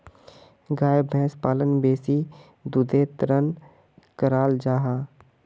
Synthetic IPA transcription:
ɡaːjbʱɛ̃ːspaːlənbeːsi | d̪ʊd̪et̪ɾən | kəɾaːld͡ʒaːɦaː

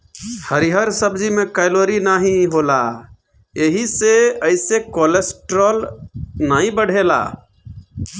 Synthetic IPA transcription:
həɾiɦəɾsəbd͡ʒimekaɪloɾinaɦĩɦola | eɦiseəɪsekolesʈɾɔlnaɦĩbəɽ̤ʱela̰

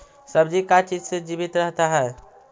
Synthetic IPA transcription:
səbd͡ʒikat͡ʃid͡ʒsed͡ʒibit̪ɾəɦt̪aɦɛː

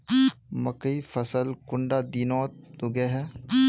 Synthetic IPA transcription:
mɐkəifʰɐsəlkʊɳɖad̪iːnɔːt̪̚ːʊɡeɦɛː

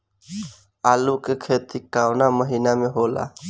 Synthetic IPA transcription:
aːlukekʰeːt̪ikaːwnaməɦiːnamẽɦoːla̰ː

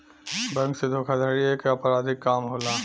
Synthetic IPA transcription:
bɐ̃ŋksed̪ʱoːkʰad̪ʱəɾiekeɐpɾaːd̪ɪkːaːmɦoːlaː

